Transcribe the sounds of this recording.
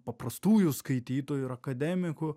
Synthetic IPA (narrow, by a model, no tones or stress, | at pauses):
pɐpɾɐst̪uːjʊskɐɪt̪ʲiːt̪oːjʊɪɾɐkɐd̪ʲæmʲɪkʊ